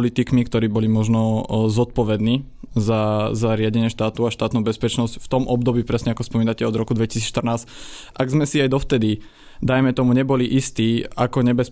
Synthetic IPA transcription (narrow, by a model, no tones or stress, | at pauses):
lit̪ikmikt̪ɔɾiːbɔliːmɔʒnɔzɔt̪̚pɔʋɛd̪niː | zazaɾɪaɟɛɲɪɛʃt̪aːt̪uaʃt̪aːt̪nuːbɛspɛt͡ʃnɔscft̪ɔmʔɔb̚d̪ɔbiːpɾɛsɲɛakɔspɔmiːnacɛɔd̪ɾɔkud̪ʋɛci̥siːʃt̪r̩naːs | ʔaɡzmɛsiajd̪ɔft̪ɛd̪i | d̪ajmɛt̪ɔmuɲɛbɔliʔist̪iːakɔɲɛbɛs